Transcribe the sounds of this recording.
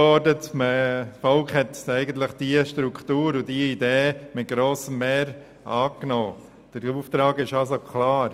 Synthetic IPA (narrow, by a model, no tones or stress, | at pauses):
ɔɾdətməfɔlkhɛt̪ɛɪɡənt̪ləχd̥iəʃtɾukχtuːɾʊdiəideːmɪt̚ɡ̥ɾoːsəmːeːɾ | ɑːknɔː | d̥əɾuft̪ɾɑːɡɪʃɑsokʰlɑːɾ